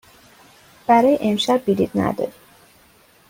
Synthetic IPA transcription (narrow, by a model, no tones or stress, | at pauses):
b̥æɾɒːjeʔemʃæbːid̪id̪næ̰d̪ɒ̰ɾi